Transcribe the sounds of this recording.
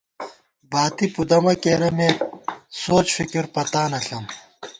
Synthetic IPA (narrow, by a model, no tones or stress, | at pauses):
baːt̪ipud̪ɐmɐkeːɾɐmeːsoːt͡ɕfikiɾpɐt̪aːnɐɬɐm